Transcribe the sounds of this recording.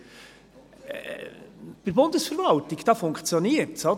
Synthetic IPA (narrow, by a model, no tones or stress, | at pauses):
b̥ɪɾbʊnd̥əsfəɾvɑltɪɡd̥ɑfʊŋkt͡sjoniːəɾtso